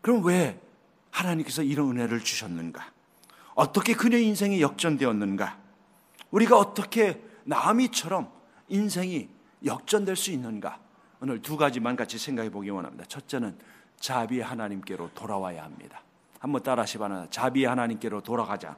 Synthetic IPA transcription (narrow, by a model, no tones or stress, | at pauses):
kɯɾʌmnwe̞ | hanaɲimk͈e̞sʰʌiɾʌnɯne̞ɾɯɭt͡ɕuɕʰʌnːɯnɡa | ʌt͈ʌkʰe̞kɯɲeinsʰe̞ŋijʌk̚t͡ɕ͈ʌndwe̞ʌnːɯnɡa | uɾiɡaʌt͈ʌkʰe̞namit͡ɕʰʌɾʌm | insʰe̞ŋi | jʌk̚t͡ɕ͈ʌndweɭs͈uinːɯnɡa̰ | onɯɭtuɡad͡ʑimanɡat͡ɕʰisʰe̞ŋɡaɡʰipoɡiwʌnɦa̰mɲḭd̥̪at͡ɕʰʌt̚t͡ɕ͈e̞nɯn | t͡ɕabiehanaɲimk͈e̞ɾotoɾawaja̰hamɲḭd̥a | hambʌnt͈aɾaɕʰibanadat͡ɕabiehanaɲimk͈e̞ɾotoɾaɡad͡ʑa̰